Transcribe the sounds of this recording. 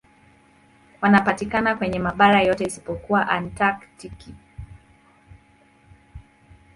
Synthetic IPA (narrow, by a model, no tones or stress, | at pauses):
wanapatikanakwɛɲɛmaɓaɾajɔtɛisi̥pɔkuwaʔantaktiki